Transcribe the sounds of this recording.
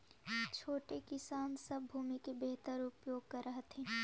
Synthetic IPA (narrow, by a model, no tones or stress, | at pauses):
t͡ʃʰoːʈekɪsaːnsɐbːʱuːmikebeɦt̪əɾʊpjoːɡ̚kɐɾːɐɦt̪ʰɛ̃ː